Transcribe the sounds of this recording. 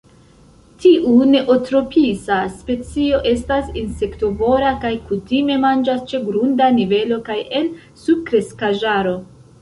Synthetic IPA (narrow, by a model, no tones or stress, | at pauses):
tiʔune̞ʔotɾo̞pisaspe̞t͡sio̞ʔe̞stasinse̞kto̞vo̞ɾakajkutime̞mand͡ʒast͡ʃe̞ɡɾundanive̞lo̞kaje̞n | sub̥̚kɾe̞skaʒaɾo̞